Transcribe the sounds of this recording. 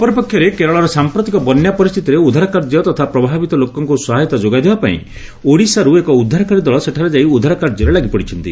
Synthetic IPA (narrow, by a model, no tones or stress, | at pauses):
ɔpɔɾipɔkʰjɔɾekeɾɔɭɔɾɔsampɾɔt̪ikɔbɔnjapɔɾist̪ʰit̪iɾeud̪ʱaɾɔkaɾd͡ʒjɔt̪ɔt̪ʰapɾɔbʱabit̪ɔlokɔŋkusɔɦajt̪ɔd͡ʒoɡad̪ebapaḭ̃ | oɽisaɾuekɔud̪ʱːaɾɔkaɾid̪ɔɭɔseʈʰaɾed͡ʒaiud̪ʱaɾɔkaɾd͡ʒɔɾelaɡipɔɽit͡ʃʰɔnt̪i